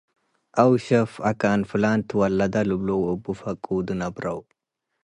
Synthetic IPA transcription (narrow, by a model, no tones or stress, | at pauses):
ʔɐwʃɛfɐkaːnfɪlaːnt̪wɐlːɐd̪ɐlʊblowɔbːʊfɐkʼːuːd̪ɪnɐbɾɐw